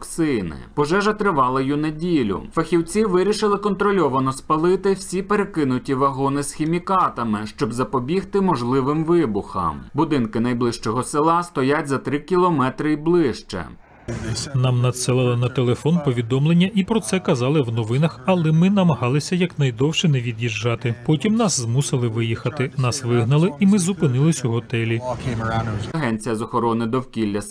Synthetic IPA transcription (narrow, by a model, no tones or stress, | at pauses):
ksɪjnɪ̰pɔʒɛʒɐt̪ɾɪʋɑlˠɪjunedʲilʲʊ̰fɐxʲiwt͡sʲiʋɪɾʲiʃɪlˠɪkɔnt̪ɾɔlʲɔʋɐnɔspɐlˠɪt̪ɪw̥sʲipeɾekɪnʊtʲiʋɐɦɔnɪsxʲimʲikɑt̪ɐmɪʃt͡ʃɔbzɐpɔbʲixt̪ɪmɔʒlˠɪʋɪmʋɪbʊxɐ̰mbʊd̪ɪnkɪnɐjblˠɪʃt͡ʃɔɦɔsɪlˠɑst̪ɔjatʲzɐt̪ɾɪkʲilˠɔmɛt̪ɾɪiblˠɪʃt͡ʃɛ̰ | nɑmnɐt̪selˠɑlˠɐnɐt̪elˠefɔnpɔʋʲid̪ɔmlˠenʲːɐʔipɾɔt̪sɛkɐzɑlˠɪwnɔʋɪnɐxɐlˠɛmɪnɐmɐɦɑlˠɪsʲɐjɐknɐjd̪ɔwʃɛnɛʋʲid̪ʲjiʒːɑt̪ɪpɔtʲimnɑszmusɪlˠɪʋɪjixɐt̪ɪnɑsʋɪɦnɐlˠɪimɪzupɪnɪlˠɪsʲɦɔt̪ɛlʲi | ɐɦɛnʲt͡sʲijɐzɔxɔɾɔnɪd̪ɔwkʲilʲːɐs